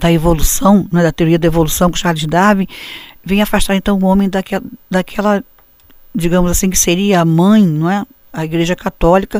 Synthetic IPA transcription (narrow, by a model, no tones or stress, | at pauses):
d̪̥ɐevolusɐ̃w̃nɛd̪ɐt̪eoɾiɐd̪ɐevolusɐ̃w̃kʊʃalʊzd̪avẽj̃vẽj̃afaʃt̪aɾẽt̪ɐ̃w̃ʊõmẽj̃d̪ɐkɛld̪ɐkʰɛlɐ | d͡ʒiɡɐ̃mʊzasĩkɪ̥seɾiɐamɐ̃j̃ñɛ | ɐiɡɾeʒɐkat̪ɔlikɐ